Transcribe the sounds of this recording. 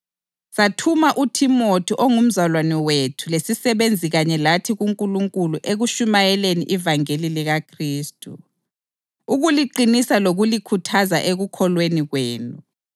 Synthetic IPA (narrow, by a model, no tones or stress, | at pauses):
satʰumaʔutʰimotʰiʔoŋum̩zalwanɛwetʰulesisɛβend͡zʱiɣaɲɛlatʰiɣuŋkʼuluŋkʼuluʔeɣuʃumajɛleniʔivaŋeliliɣakʰriːstʼṵ | uɣuliǃinisaloɣulikʰutʰaza̰ʔeɣukʰɔlweniɣweːnu